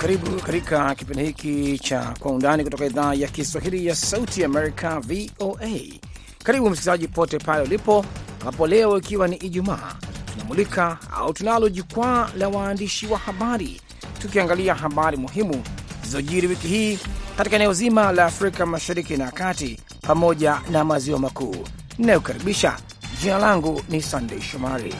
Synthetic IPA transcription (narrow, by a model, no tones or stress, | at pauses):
kaɾiɓukatikakipindɛhikit͡ʃa̰kwaundanikutɔkaiðaːjakiswaɦilijasautiaːmɛɾikʰavioʔe | kaɾiɓum̩sikizaʄipɔtɛpalɛulipɔambapɔlɛɔikiwaniʔiʄuma̰ːtunamulikaa̰utunalɔʄukwaːlawaːndiʃiwahaɓaɾḭ | tukiaŋɡaliaɦaɓaɾimuɦimuzɔʄiɾiwikiɦiːkatikaɛnɛɔzimalaːfɾikamaʃaɾikinaakati | pamɔʄanamaziwamakuː | ninajukaɾiɓiʃa̰ | ʄinalaŋɡunisandɛiʃɔmaɾḭ